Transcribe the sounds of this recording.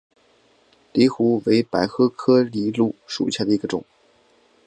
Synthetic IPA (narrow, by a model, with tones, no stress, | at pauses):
li˧˥xu˧˥we˧˥ɪpa˨˩ɪxɤ˥kʰɤ˥li˧˥lu˥˩ʂṵ˨˩ɕja˥˩d̪ə˩i˧˥ɡə˧ʈ͡ʂʊ̰˨˩˦ŋ